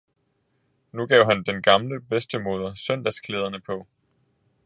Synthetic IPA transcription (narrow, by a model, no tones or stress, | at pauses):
nuɡ̥ɛʊ̰ɦænd̥enɡ̥ɑ̈mləb̥esd̥əmo̝ːð̞ˠɐsœn̰d̥æskʰleːð̞ˠɐnəpʰɒ̽